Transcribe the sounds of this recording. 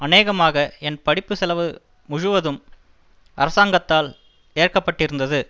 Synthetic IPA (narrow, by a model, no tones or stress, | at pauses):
ɐneːɣɐmaːɣɐɛnpɐɽɪpːɯsɛlɐʋɯ | mʊɻɯʋɐðɯm | ɐɾɐsaːŋɡɐt̪ːaːl | eːrkɐpːɐʈːɪɾɯnd̪ɐðɯ